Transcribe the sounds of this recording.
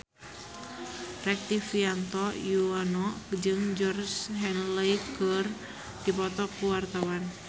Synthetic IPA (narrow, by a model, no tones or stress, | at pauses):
rɛk̚t̪ifiant̪ɔjuanɔd͡ʒɨŋd͡ʒɔrsɦɛnləjkər | d̥ipɔt̪ɔkuwart̪awan